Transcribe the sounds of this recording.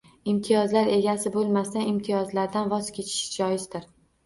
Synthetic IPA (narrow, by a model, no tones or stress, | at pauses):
ɪmt̪ʰɪjɒzlaɾe̞ɡʲasɪbolˠmast̪anɪmt̪ʰɪjɒzlaɾd̪anvɒz̥kʲe̞t͡ʃʰɪ̥ʃd͡ʒɒjɪzd̪ɪɾ